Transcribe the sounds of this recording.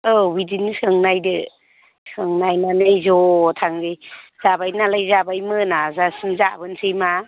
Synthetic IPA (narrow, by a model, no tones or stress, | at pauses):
ɯwidinisɯŋnajdɯ | sɯŋnajnanɯjzɔtʰaŋzɯjz̥abajnalajzabajmɯnazasimzabɯnsʰɯjma